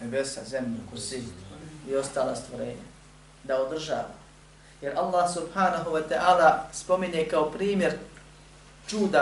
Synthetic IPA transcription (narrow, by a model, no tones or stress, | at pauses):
nebesa̰zemʎekosiio̞st̪aːlast̪ʋoɾeːɲa̰ | d̪aod̪r̩ʒa̰ːʋa̰ | je̞ɾʔalˠːaːhsubhaːnaɦuwat̪ɛʔaːlaspo̞miɲekaopɾiːmje̞ɾ | t͡ʃuːd̪a